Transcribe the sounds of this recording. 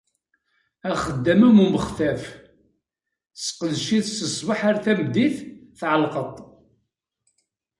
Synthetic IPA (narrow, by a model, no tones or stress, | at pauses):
æχəd̪ːæmumuməχθæf | sqəðʃiðsəsˤbəħaɾθæmd̪iθθʕəlqət̪ˤ